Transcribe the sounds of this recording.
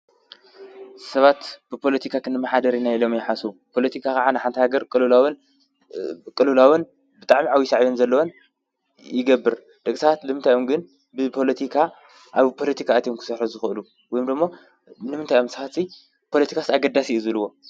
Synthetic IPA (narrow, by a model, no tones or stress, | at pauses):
sɐβat̪b̥ɨpʰo̞lɐt̪ʰikʰakʰɨnɨmːɐħad̪ɐɾinajilo̞mjɪħasupʰo̞lɐt̪ʰikʰakaʕanɨħant̪ʰɐhaɡɐɾkʼɨlɨlawɨn | kʼɨlɨlawɨn | bɨt̪ʼaʕmiʕawisaʕjonzɐlːɐwon | jɪɡɐbːɨɾ | d̪̥ɐkʼsaat̪lɨmɨnt̪ʰajomɡɨn | bɨpʰo̞lɐt̪ʰikʰa | ʔaβpʰo̞lɐt̪ʰikʰaːt̪ʰjemkʰɨ̥sɐħuzɨxɨʔɨlu | wɔjumd̪ɨmːo̞ | nɨmɨnt̪ʰajomsɐβat̪si | pʰo̞lɐt̪ʰi̥kʰasaɡɐd̪asiʔɨzɨluwo̞